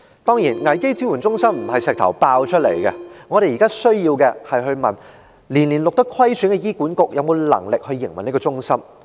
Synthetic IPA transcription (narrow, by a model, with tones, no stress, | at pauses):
t̪ɔː˥ŋjiː˨˩nŋɐ˨˩jke˥jt͡siː˥wuː˨˩nt͡sʊ˥ŋsɐ˥mm̩˨˩ɦɐ˨jsɛː˨k̚t̪ʰɐ˨˩wpaː˧wt͡ʃʰɵ˥t̚lḛ˨˩jkɛ̰˧ŋɔ˨˧ɾe˨jiː˨˩kaː˥sɵ˥ɥjiː˧wkɛ˧hɐ˨jɦɵ˧ɥmɐ̰˨n | liː˨˩nliː˨˩nlʊ˨k̚t̪ɐ˥kʰwɐ˥jsyː˨˥nŋkɛ˧jiː˥kuː˨˥nkʊ˨k̚jʔɐ˨˧wmo˨˧wlɐ̰˨˩ŋlɪ˨k̚hɵ˧ɥːɪ˨˩ŋmɐ˨˩ni˥kɔː˧t͡ʃʊ˥ŋsɐ˥m